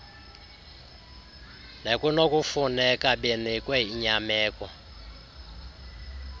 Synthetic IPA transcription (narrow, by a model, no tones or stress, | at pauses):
nekunɔkufunɛkʼaɓenɛkʼwɛiɲamɛːkɔ